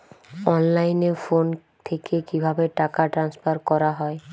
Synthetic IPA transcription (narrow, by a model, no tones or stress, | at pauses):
ɔnlajneɾfon | t̪ʰekekibʱabeʈakaʈɾanspaɾkɔɾaɦɔe